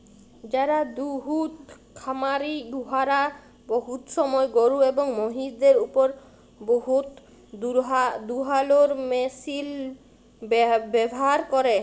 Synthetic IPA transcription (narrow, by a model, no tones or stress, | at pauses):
d͡ʒaɾad̪uɦut̪ | kʰamaɾid̪uɦaɾa | boɦut̪sɔmɔeɡoɾuebɔŋmoɦid̪eɾupɔɾ | boɦut̪ | ad̪uɦaloɾmesil | bbɛbɔɦaɾkɔɾe